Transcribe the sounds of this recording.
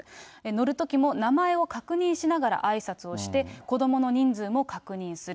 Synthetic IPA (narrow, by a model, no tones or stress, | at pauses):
eno̞ɾɯ̟t̪o̞kʲimo̞namae̞o̞kakɯ̟ɲ̟ĩɰ̃ɕinaɡaɾa̰ʔaisat͡sɨo̞ɕi̥t̪e̞ko̞d̪o̞mo̞no̞ɲ̟ĩnd͡zɨːmo̞kakɯ̟ɲ̟ĩɰ̃sɨɾ